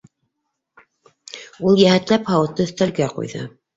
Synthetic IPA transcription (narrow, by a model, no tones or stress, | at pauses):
ulˠjæhæt̪læphɑwɤ̆t̪ːɤɵ̆θt̪ælɡæqṵjðɤ̰